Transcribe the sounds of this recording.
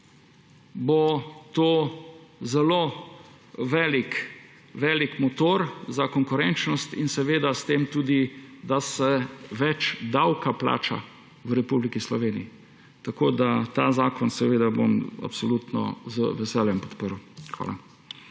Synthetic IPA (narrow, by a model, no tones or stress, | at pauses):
bot̪oːzɛloː | ʋɛːlik | ʋɛːlikmɔt̪oːɾzakɔŋkʊɾɛnt͡ʃnɔst̪ḭnsɛʋeːd̪ast̪eːmt̪uːd̪id̪asɛʋɛt͡ʃd̪awkapla̰ːt͡ʃa̰ | ʋɾɛpublikislɔʋeːniji | t̪akoːd̪at̪aːzaːkɔnsɛʋeːd̪abo̰ma̰psɔlut̪nɔ̰zəʋɛsɛːljɛmpɔt̪pəɾwxʋa̰ːla̰